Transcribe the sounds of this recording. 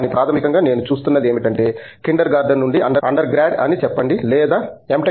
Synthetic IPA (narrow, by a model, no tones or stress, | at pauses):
nipɾaːt̪ʰɐmikɐŋɡaːne̞ːnut͡ʃuːst̪unːɐd̪eːmiʈɐɳʈe̞ː | kiɳɖɐɾɡaːɾɖɐnːuɳɖiʔɐɳɖɐɐɳɖɐɾɡɾaːɖɐ̰nit͡ʃɛpːɐɳɖilɛːd̪aːemʈe